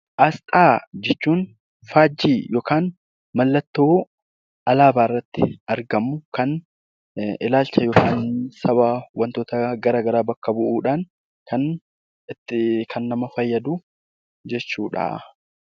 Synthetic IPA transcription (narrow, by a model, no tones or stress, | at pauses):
ʔɐst̪ʼaːd͡ʒɛt͡ʃːuːn | faːd͡ʒːiːjoːkaːn | mɐlːɐt̪ːo̞ː | ʔɐlaːbaːɪrːɐt̪ːɪɐɾɡɐmːʊkɐn | ɪlaːlt͡ʃɐjoːkʰaːnsɐβaːwɐnt̪oːt̪ɐɡɐɾaːɡɐɾaːbɐkːɐbʊʔuːᶑaːn | kɐn | ɪt̪ːɪkʰɐnːɐmɐfɐjːɐd̪u | d͡ʒɛt͡ʃːuːᶑɐ̰